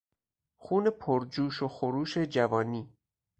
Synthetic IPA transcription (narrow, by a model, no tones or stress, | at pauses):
xuːne̞pʰoɾd͡ʒuːʃoxoɾuːʃe̞d͡ʒævɒːniː